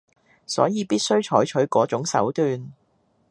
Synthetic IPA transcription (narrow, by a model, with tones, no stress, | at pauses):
sɔ̰ː˨˥jiː˨˧piː˥t̚sɵ˥ɥt͡ʃʰɔː˨˥jt͡ʃʰɵ˨˥ɥkɔː˨˥t͡sʊ˨˥ŋsɐ̰˨˥wt̪yː˨˧n